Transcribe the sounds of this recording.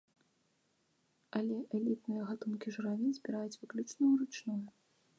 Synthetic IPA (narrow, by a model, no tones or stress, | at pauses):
alʲɛʔɛlʲit̪nɨjɐɣat̪unkʲiʐɨɾavʲinzʲbʲiɾajut͡sʲvɨklʲut͡ʂnujuɾut͡ʂnuju